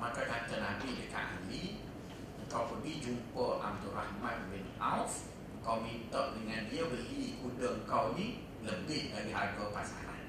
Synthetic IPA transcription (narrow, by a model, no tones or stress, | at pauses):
makakat̪ənabidəka̰ʔa̰li | əŋ̩kawpədid͡ʒumpəʔa̰mt̪ura̰hmat̪̚wɛnawf | əŋ̩kawmint̪ɔʔdəŋandiəbəlikudəəŋkawni | ləbɪʔdaɾiɦaɡəpasa̰ɾa̰n